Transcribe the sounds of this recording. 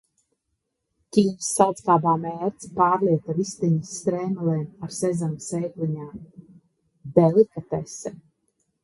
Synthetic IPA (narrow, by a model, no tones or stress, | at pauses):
t̪ʲiːɲʲsːalˠt̪skaːbaːmɛːɾt̪spaːɾliɛt̪avist̪iɲisːt̪ɾɛːmalɛːmaɾsɛzamsɛːkliɲaːm | d̪ɛlikat̪ɛsɛ